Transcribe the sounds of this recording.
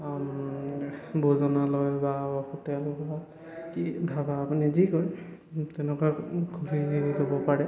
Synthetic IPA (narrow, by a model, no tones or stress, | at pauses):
bozɔnalɔjbaɔxutɛlba | kibʱabaːpunizikoɹ | tɛnɛkaɡʰʱuɹizɔbɔpaɹɛ